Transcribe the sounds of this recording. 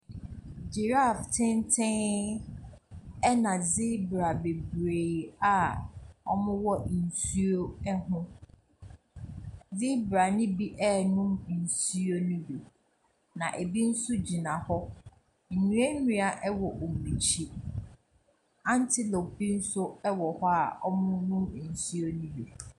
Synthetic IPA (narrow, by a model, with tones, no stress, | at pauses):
d͡ʑe˨ɾa˦˨ftʰɪ̃˦ntʰɪ̃˦ŋ | ɛ˦nã˨zi˦bɾa˨be˨bɾe˨a˨ɔ˦mʊ̃˦wɔ˦n̩˨su˦o˦ɛ˦ɦʊ̃˦ | zi˦bɾa˨nɪ̃˦bi˦ʔɛ˦˨nʊ̃˦mn̩˨su˦o˦nĩ˦bi˨ | nã˨ʔe˨bi˦n̩˦sʊ˦d͡ʑi˨nã˨hɔ˦ | n̩˨ɲũ˦e˦nũ˦a˨ʔɛ˦wɔ˨ʔo˨mĩ˨t͡ɕʰi˦ | ã˦n˦tʰɪ˦lɔ˨kbi˦n̩˦sʊ˦ɛ˦wɔ˨hɔ˦a˨ɔ˦mʊ̃˦nʊ̃˦m˨n̩˨su˦o˦nũ˦bi˨